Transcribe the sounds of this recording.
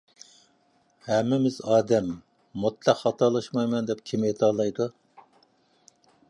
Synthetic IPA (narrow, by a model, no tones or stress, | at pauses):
hɛmːɪmɪzɑːd̪ɛmː | ut̪ʰlˠæqhɑt̪ʰɑlˠɑʃmɑjmɛnd̪ɛp̚kʲʰimjet̪ʰɑlˠɑjd̪u